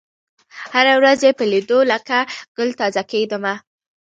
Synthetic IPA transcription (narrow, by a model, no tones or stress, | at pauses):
haɾawɾazepəlid̪olakaɡ̥əlt̪ɑzaked̪əma